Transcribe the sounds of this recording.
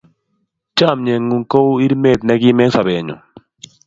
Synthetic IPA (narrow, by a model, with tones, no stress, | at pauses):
t͡ʃa˦˨mɲɛ˨ŋːu˨ŋko˦wi˦ɾme˦˨t̪̚nɛ˦ɡɪ˦mɛ˦sa˨bɛ˨ɲɔ̰˨